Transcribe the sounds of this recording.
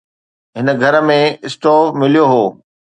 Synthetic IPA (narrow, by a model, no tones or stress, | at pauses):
ɦɪnə̆ɡʱɐɾmẽɪsʈɔːmɪlijoɦoː